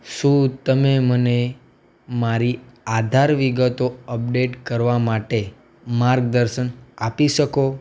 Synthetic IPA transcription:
ʃũt̪əmeməne | maɾiad̪ʱaɾʋiɡət̪oəp̚ɖeʈkəɾʋamaʈe | maɾk̚d̪əɾʃənapiʃəko

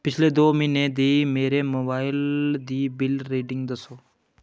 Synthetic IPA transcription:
pɪt͡ʃʰleːd̪oːmineːd̪imeːɾeːmoːbaːɪld̪iːbɪlɾiːɖɪ̃ŋɡd̪əsoː

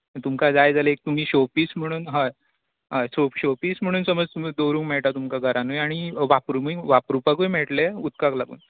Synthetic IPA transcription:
t̪umkad͡zajd͡zaləek̚t̪um̤iːɕopiːsm̤əɽ̃uːnɦa | ɦaɕopɕopiːsm̤əɽ̃uːnsəməd͡zt̪umd̪owɾuːŋkmɛɭʈat̪umkaɡʱəɾanojaɽ̃iʋapɾumiʋapɾupakʋojmɛʈleut̪̚kaklaɡṵːn

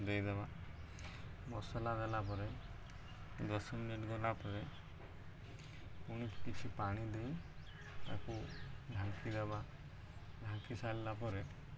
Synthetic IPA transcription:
d̪ejd̪ɛba | mɔsɔlad̪ɛlap̬ɔɾɛ | d̪ɔsɔminiʈɡɔlapɔɾe | uɽ̃ipkit͡ʃʰipaɽ̃id̪ej | t̪akuɖʱãŋkid̪ɛba | ɖʱaŋkisallapɔɾe

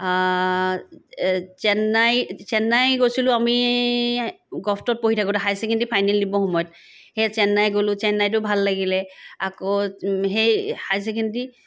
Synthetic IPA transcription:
t͡ʃɛnːajsɛnːajkosilʊ̃ami | ɡɔpʰtɔt̚poɦitʰakʊtaxajsekintipʰajnɛlːibɔxɔmɔjɔt̚ | hejsɛnːajɡolʊ̃t͡ʃɛnːajt̬ʊbʱalːaɡilɛakoɦejhajs̬ekʰɛndi

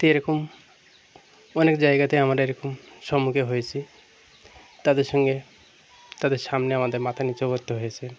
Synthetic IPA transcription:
t̪eeɾɔkom | ɔnekd͡ʑaeɡat̪eamaɾeɾɔkomʃɔmukeɦojet͡ɕʰi | t̪ad̪eɾʃɔŋɡe | t̪ad̪eɾʃamneamad̪eɾmat̪ʰanit͡ɕoboɾt̪ːoɦojet͡ɕʰe

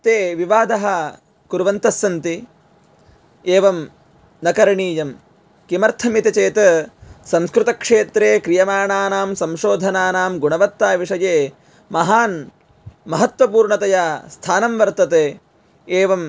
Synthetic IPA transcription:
t̪eːʋiʋaːd̪ʱɐɦɐ | kuɾʋɐnt̪ɐsːɐnt̪i | eːʋɐm | nɐkɐɾɐɳiːjɐm | kimɐɾt̪ʰɐmit̪ɐt͡ʃeːt̪ɐsɐmskɾut̪ɐkʂeːt̪ɾeːkɾijɐmaːɳaːnaːmsɐmʃoːd̪ʱɐnaːnaːmɡuɳɐʋɐt̪ːaːʋiʂɐjeː | mɐɦaːn | mɐɦɐt̪ʋɐpuːɾɳɐt̪ɐjaːst̪ʰaːnɐmʋɐɾt̪ɐt̪eː | eːʋɐm

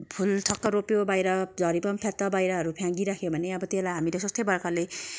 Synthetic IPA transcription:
pʰult̪ʰʌk̚tʌɾopjobajɾʌd͡zʱʌɾipʌmpʰjat̪ːʌbajɾʌɦʌɾupʰjãŋɡiɾakʰjobʱʌneʌbʌt̪elajɦamiles̬ʌst̪ejbʌrkale

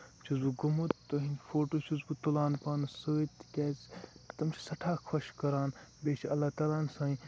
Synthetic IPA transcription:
t͡ʃʰuzbuɡumut̪ːoɦinfoːʈoːt͡ʃʰuzbut̪ulaːnpaːnɨsoːit̪kʲɛːzt̪ɐmt͡ʃʰi̥sɐʈʰaːkʰɐʃkɐɾaːnbeːt͡ʃʰiɐlːaːt̪aːlaːnsãːĩ

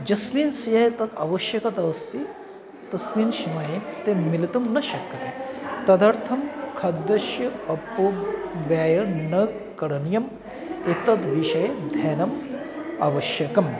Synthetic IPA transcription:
d͡ʒɐsmiːnsijɐjt̪ɐt̪ɐ̰ʋɐʃjɐkɐt̪ɐst̪i | t̪ɐsmiːnʃimajet̪emilit̪umnɐʃɐkːɐt̪et̪ɐd̪ɐɾt̪ʰɐmkʰɐd̪ːɐʃjɐɐpuʋjaːjɐnɐ | kɐɾɐnjɐm | et̪ɐt̪ʋiʃɐjɐd̪ʱɛːnɐm | ɐ̰ʋɐʃjɐkɐm

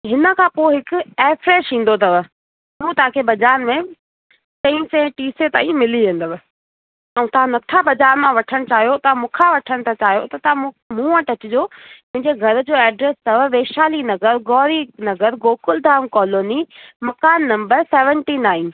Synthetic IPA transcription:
ɦɪnə̆kʰãːpoːeɦɪkʊeːfɾeːʃĩːn̆d̪ot̪ɐʋ | mũːt̪ɐʋãkʰebʱɐd͡ʑaːnmẽ | tɐ̃ĩsẽʈiːset̪aːĩmɪliʋẽːnd̪əʋ | ɛ̃t̪ɐʋ̤ãnɐt̪ʰabʱɐd͡ʑaːnmãʋɐʈʰəɽ̃t͡ɕaːɦijot̪ɐʋãmʊ̃kʰaʋɐʈʰəɽ̃t̪ʰat͡ɕaːɦijo̰t̪ɐt̪ɐʋã | mũːə̃ʈɐt͡ɕɪd͡ʑoːmʊ̃ɦɪ̃ɲd͡ʑeɡʱɐɾd͡ʑoːɛːɖɾeːst̪ɐʋʋeːʃaːlinɐɡəɾɡɔːɾinɐɡəɾɡoːkʊld̪ʱaːmkɔːloːnimɐkaːnːɐ̃mbəɾseːʋə̃ɳʈinaːɪ̃n

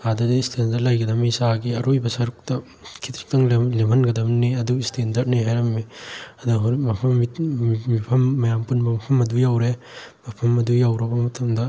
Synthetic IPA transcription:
adɐdistʰendɐɾlɐjɡɐdɐmisaɡiɐɾojbɐsɐɾuk̚tɐ | kʰi̥t̪ɾi̥k̚tɐŋlemʰʱɐnɡɐdɐmniɐduistʰendɐɾd̚niɦajɾɐmːiɐduɦɾmɐpʰɐmːimipʰɐmːɐjampunbɐmɐpʰɐmɐdujawɾe | mɐpʰɐmɐdujawɾɐbɐmɐtʰɐmdɐ

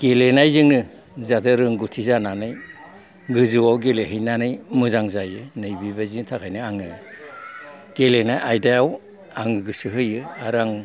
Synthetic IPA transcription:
ɡ̥elenajzɯŋnɯ | zadɯɾɯŋɡutʰizananɯj | ɡɯzɯwawɡeleɦɯjnanɯjmɯzaŋzajɯnɯjbibaziŋtʰakʰajnɯaŋɯ | ɡ̥elenajʔajdajaw | aŋɯɡɯsɯɦɯjɯaɾaŋ

